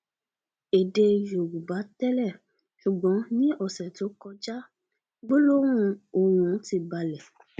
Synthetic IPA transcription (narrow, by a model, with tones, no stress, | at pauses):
e˨de˧jo˨ɡu˨ba˨˦tɛ˦lɛ˦˨ | ʃu˨ɡ͡bɔ̃˨˦nĩ˦ɔ˦˨sɛ˨to˨˦kɔ˧d͡ʒa˦ | ɡ͡bo˦lo˦ɾ̃ũ˦˧o˧w̃ũ˨˧˦ti˧ba˧lɛ˨